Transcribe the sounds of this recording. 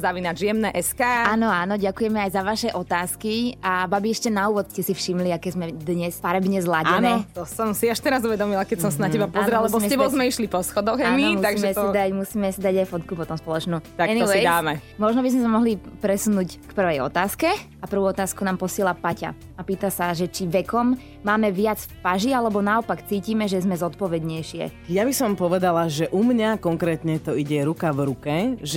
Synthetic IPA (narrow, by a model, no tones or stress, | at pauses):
zaʋinaʒijɛmnɛʔɛskaːaːnɔaːnɔɟakujɛmɛajzaʋaʃɛʔɔt̪aːskiababiɛʃcɛnauːʋɔt̪scɛsifʃimliakɛːzmɛd̪ɲɛsfaɾɛbɲɛzlaɟɛnɛt̪ɔsɔmsiaʃt̪ɛɾazuʋɛd̪ɔmilakɛcsɔmsanacɛbapɔzɾɛlɛbɔmɛɛbɔzmɛiʃlipɔsxɔd̪ɔɣamimt̪aɡiʒɛɛsid̪amusiːmɛsid̪aɟajfɔt̪kupɔt̪ɔmspɔlˠɔt͡ʃnuːt̪akɛniɛid̪aːmɛmɔʒnɔbizmɛsamɔɦlipɾɛsunuːckpr̩ʋɛjɔ̰t̪aːskɛ | apr̩ʋuɔt̪aːskunaːmpɔsɪɛlapaca̰ | apiːt̪asaʒɛt͡ʃiʋɛkɔmː | aːmɛʋɪat͡sfpaʒialɛbɔnaɔpakt͡siːcimɛʒɛzmɛzɔt̪pɔʋɛd̪ɲɛjʃɪɛ̰jabisɔmpɔʋɛd̪alaʒɛʔumɲakɔŋkɾɛːt̪ɲɛt̪ɔiɟɛɾukavɾukɛʒ